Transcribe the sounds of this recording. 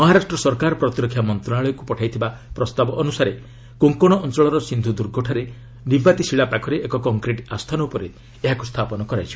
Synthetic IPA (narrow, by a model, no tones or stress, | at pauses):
mɔɦaɾasʈɾɔsɔɾkaɾɔpɾɔt̪iɾɔkʰːjamɔnt̪ɾɔnaɭɔjɔkupɔʈʰajt̪ʰibapɾɔst̪abɔʔːnusaɾe | koŋkoɽ̃ɔʔɔnt͡ʃɔɭɔɾɔsind̪ʱud̪uɾɡʱɔʈʰaɾe | nibbat̪isiɭapakʰɔɾeʔekɔkɔŋkɾeʈast̪ʰanɔupɔɾe | eɦakust̪ʰapɔnɔkɔɾajt͡ʃʰi̥